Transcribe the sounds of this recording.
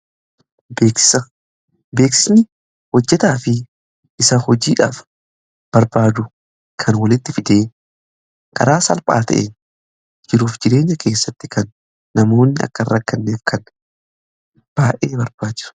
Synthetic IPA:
beːkɪsɐ | be̞ːksɪsnɪ | wɔd͡ʒːɛt̪aːfɪ | ʔɪsɐhɔd͡ʒiːᶑa̰ːf | b̥ɐɾbaːd̪ʊ | kʰɐnwɐlɪt̪ːɪfɪd̪e̞ː | kʼɐ̰ɾaːsɐlpʼa̰ːt̪ɐ̰ʔeː | d͡ʒɪɾuːfd͡ʒɪɾe̞ːɲːɐkʰe̞ːsːɐt̪ːɪ̥kɐnː | ɐmo̞ːnːɪɐ̰kːɐrːɐkːɐnːeːfkʰɐn | b̥aːʔeːbɐɾb̥aːd͡ʒɪ̥sʊ̥

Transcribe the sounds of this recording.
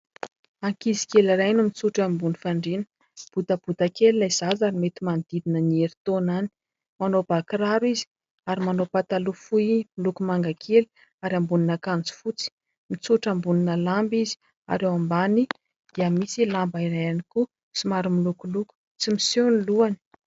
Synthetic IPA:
aŋkizi̥kelaɾajnumit͡suʈ͡ʂambunifaɳɖ͡ʐenə̥ | b̥ut̪əb̥ut̪akelilajz̥azaɾimet̪imand̪id̪inənieɾit̪onani̥ | manobakiraɾwizi̥ | aɾimanopat̪alufuimilukumaŋɡakʰeli̥ | aɾambuninakand͡zu̥fut͡si̥ | mit͡suʈ͡ʂambuninəlambizi̥ | a̰ɾewambani | d̪̥iəmisilambaiɾajaniku | simaɾumilukuluku̥ | t͡simiseniluani̥

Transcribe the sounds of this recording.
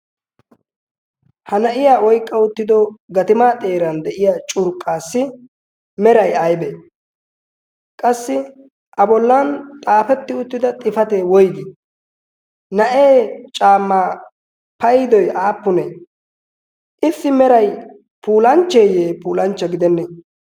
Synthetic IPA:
hɐnɐʔɪjaːɔjkʼːɐʊt̪ːɪd̪ɔɡɐt̪ɪmaːt̪ʼe̞ːɾɐnd̪ɛʔɪjaːt͡ʃʼʊɾkʼːaːsːɪ | mɛɾɐjɐjbe | kʼɐsːɪ | ʔɐbɔlːɐnt̪ʼaːfɛt̪ːɪʊt̪ːɪd̪ɐt̪ʼɪfɐt̪eːwɔjd̪ɪ | nɐʔeːt͡ʃʼaːmːaː | pɐjɪd̪ɔjaːpːʊneː | ʔɪsːɪmɛɾɐj | pʰuːlɐnt͡ʃːe̞ːjeːpuːlɐnt͡ʃːɐɡɪd̪ɛnːe

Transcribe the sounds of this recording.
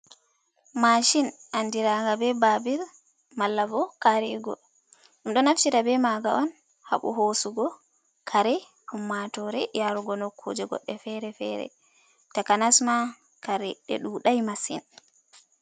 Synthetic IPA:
maʃinʔandiɾaŋɡabɛbabiɾ | malːavɔkaɾiɡɔ̰ | ɗumɗɔnaft͡ʃiɾabɛmaɡaʔɔn | ha̰ɓṵɦosuɡɔ | kʰaɾɛ | humːatɔɾɛjaɾuɡɔnɔkʰːo̰d͡ʒɛɡɔ̰ɗːɛfɛɾɛfɛ̰ɾɛ̰ | takanasma | kaɾɛɗɛ̰ɗuɗajmasḭn

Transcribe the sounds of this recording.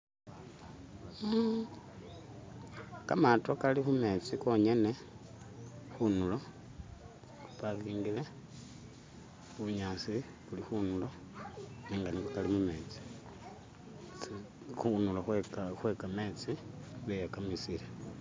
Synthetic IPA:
kamatokalixume̞ːt͡siko̞ɲe̞ne̞ | xunulo̞ | upaβiːŋɡile̞ | xuɲaːsi | kulixunulo̞ | niːŋɡanikakalimume̞ːt͡si̥ | xunulaxwxwekame̞ːt͡siβejakamisile

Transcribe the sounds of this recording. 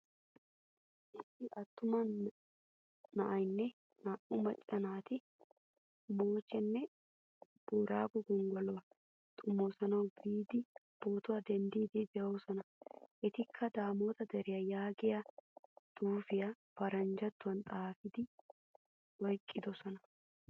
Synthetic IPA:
ʔɪst̪ːɪʔɐt̪ːʊmɐn | nɐʔɐjnːɛ | nɐʔʊmɐt͡ʃʼːɐnaːt̪ɪ | mo̞ːt͡ʃːɛnːɛ | b̥uːɾaːɡɔɡʊŋɡɔlɔwɐ | t̪ʼʊmːoːsɐnɐwbiːd̪ɪb̥oːt̪ʊɐd̪ɛnd̪iːd̪id̪ɛʔoːsɔnɐʔɛt̪ɪkʰːɐd̪aːmoːt̪ɐd̪ɛɾɪjɐjaːɡɪjɐd̪̥uːfɪjɐb̥ɐɾɐnd͡ʒɐt̪ːʊwɐnt̪ʼaːfɪd̪ɪ | wɔjkʼːɪd̪ɔsɔnɐ

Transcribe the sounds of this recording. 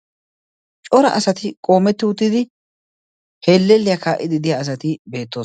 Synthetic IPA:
t͡ʃʼɔɾɐ̰ʔɐsɐt̪ɪkʼo̞ːmɛt̪ːɪʊt̪ːɪd̪ɪ | heːlːɛlːɪjakʰaːʔɪd̪ɪd̪ɪjaːs̬ɐt̪ɪbe̞ːt̪ːoːs

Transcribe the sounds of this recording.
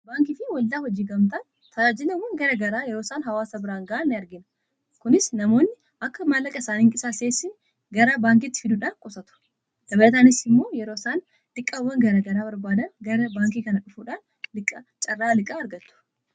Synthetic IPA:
baːŋkɪfɪwɐld̪aːhɔd͡ʒiːɡɐmt̪ɐn | t̪ʰɐd͡ʒaːd͡ʒɪlɐwɐŋɡɐɾɐɡɐɾaːjɛɾoːsaːnɦɐwaːsɐbɪɾaːŋɡɐʔɐnːɪɐɾɡɪn | kʊnɪsnɐmo̞ːnːɪ | ʔɐkːɐmɐlːɐkʼɐɪsaːnɪːŋkʼɪsaːseːsːɪn | ɡɐɾaːbaːŋk̬ɪt̪ːɪ̥fɪd̪ʊᶑaːnkʼʊsɐt̪ʊ̥ | dɐbɐɐt̪aːnɪsɪmːo̞ːjɛɾoːsaːn | t̪ʼɪkʼːawːɐŋɡɐɾɐɡɐɾaːbɐɾbaːd̪ɐnɡɐɾɐbaːŋkiːkɐnɐᶑʊfuːᶑaːn | lɪkʼːɐt͡ʃʼɐrːaːlɪkʼaːɐɾɡɐt̪ːʊ̥

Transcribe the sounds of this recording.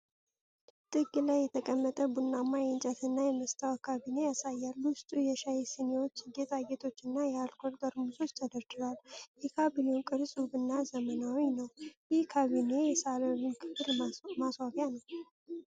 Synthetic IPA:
t̪ʼɨɡɨlajːɛt̪ʰəkʼəmːət̪ʼəbunːamːajɛnt͡ʃʼət̪ʰɨnːajɛməst̪ʰawkʰaβine̞jasajːalːwʊst̪ʼujɛʃajesinewo̞t͡ʃːɡet̪ʰʼaɡet̪ʰo̞t͡ʃːɨnːajɛalkʰoɾd̪ʼəɾmuso̞t͡ʃːt̪ʰəd̪əɾd̪ɨɾaljɛkʰabilewkʼɨɾsʼubɨnːazəmənawinəwjɪhkʰaβine̞jɛsaləɾinkʰɨfɨlmaswaɡjanəw

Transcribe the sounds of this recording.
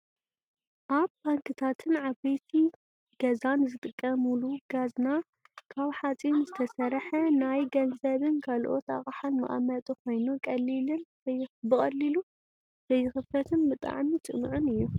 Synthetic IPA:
ʔaβbaŋkʰɨt̪ʰat̪ʰɨnʕaβejt̪ʰi | ɡ̥ɐzanzɨt̪ʼɨkʼːɐmuluɡazna | kʰaβħat͡sʼinzɨt̪ʰɐsɐɾħɐnajɡɐnzɐβɨnkʰalʔo̞t̪a̰χʼaħalmɐ̰ʔʼa̰mɐt̪ʼukʰo̞jnukʼɐlːilɨnzɐjbɨxʼɐlːilu | z̥ɐjːɨxɨfɐt̪ʰɨnbɨt̪ʼa̰ʕmit͡sʼɨ̰mʕʊnɨjːu

